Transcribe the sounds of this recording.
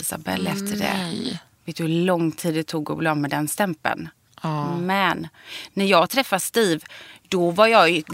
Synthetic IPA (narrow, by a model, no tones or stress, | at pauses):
ɪsa̰bɛ̰lːɛft̪ʰəɖɛ̰veːt̪hɵɭɔŋːt̪ʰiːd̪ɛt̪ʰuːɡɔ̰blɑːmɛd̪ɛnst̪ɛmpə̰n | mɛnːæɾjɑːɡt̪ʰɾɛfːast̪iːvd̪̥ɔvaɾjɑːj